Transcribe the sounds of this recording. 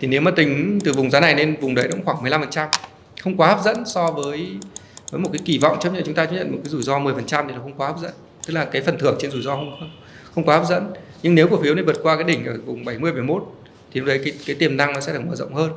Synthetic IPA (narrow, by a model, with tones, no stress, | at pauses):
t̪ʰi˨˩ne˨˦wmaː˨˩t̪ï˨˩ŋ̟t̪ɨ˨˩vʊ˨˩ŋ͡mzaː˨˦na˨˩jne˧nvʊ˨˩ŋ͡mɗə˨˦jnʊ̰˧˥ŋ͡mxwaː˧˩ŋmɨ˨˩jla˧mfə˨˩nt͡ɕa˧m | xə˧wŋ͡mkwaː˨˦haː˦˥p̚zə̰˧˥nsɔ˧vəː˨˦j | vəː˨˦jmo˨˩kːjki˧˩vɔ̰˧˨wŋ͡mt͡ɕə˦˥p̚ɲə̰˧˨t͡ɕʊ˨˦ŋ͡mt̪aː˧t͡ɕə˦˥ɲə̰˧˨nmo˨˩t̚kːaː˨˦zu˧˩jzɔ˧mɨ˨˩əjfə˨˩nt͡ɕa˧mt̪i˨˩nɔ˨˦xŋ͡mkwaː˨˦haː˦˥p̚zə̰˧˥n | t̪ɨ˦˥k̚laː˨˩kaː˨˦jfə˨˩nt̪ʰɨ˧˩əŋt͡ɕe˧nzu˧˩jzɔ˧xə˧wŋ͡mxə˧ŋ͡m | xə˧wŋ͡mkaː˨˦aː˦˥p̚zə̰˧˥n | ɲɨ˧ŋne˨˦wku˧˩fi˨˦wna˧˩və˨˩t̚kwaː˧kaː˨˦jɗï˧˩ŋ̟ʔəː˧˩vʊ˨˩ŋ͡mɓa˧˩jmɨ˧əjɓa˧˩jmo˦˥t̚ | t̪ʰi˨˩n̚˨˦˥ɗə˨˦jkaː˨˦jkaː˨˦jt̪i˨˩əmna˧ŋnɔ˨˦sɛ̰˧˥ɗɨ˨˩k̚məː˧˩zə̰˧˨ŋ͡mhəː˧n